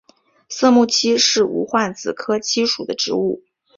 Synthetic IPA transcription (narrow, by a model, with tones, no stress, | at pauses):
s̩˥˧mu˥˩t͡ɕʰi˥ʂɻ̩˥˩ṵ˧˥xwa˥˩nt͡sɹ̩˨˩kʰɤ˥t͡ɕʰi˥ʂu˨˩d̪ə˦ʈ͡ʂɻ̩˧˥u˥˩